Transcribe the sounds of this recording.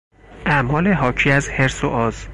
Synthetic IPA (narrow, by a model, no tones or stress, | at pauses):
ʔæmɒːleɦɒːcʰiːæzheɾsoʔɒːz